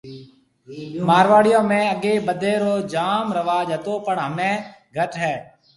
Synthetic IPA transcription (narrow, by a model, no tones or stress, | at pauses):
maːɾʋaːɽɪjõːmẽːəɠeːbəd̪ʱeːɾoːd͡ʒaːmɾəʋaːd͡ʒɦət̪oːpəɳɦəmẽːɡʱəʈɦɛː